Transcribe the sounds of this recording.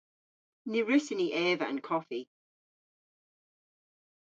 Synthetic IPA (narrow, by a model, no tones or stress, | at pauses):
niɹʉsɪniʔɛːvəə̰̃nkʰɔfi